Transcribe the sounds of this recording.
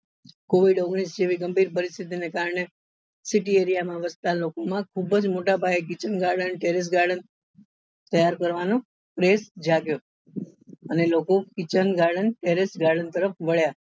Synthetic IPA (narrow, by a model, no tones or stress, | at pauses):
koʋiɖoɡɳisd͡ʒeʋiɡəmbʱiɾpəɾist̪ʰit̪inekaɾɳe | siʈieɾijamãʋəst̪alokomãkʰubəd͡ʒmoʈabʱaek̬it͡ʃənɡaɾɖənʈeɾis̬ɡaɾɖən | t̪əjaɾkəɾʋano | pɾesd͡ʒaɡjo | ənelokokit͡ʃənɡaɾɖənʈeɾisɡaɾɖənt̪əɾəfʋəɭja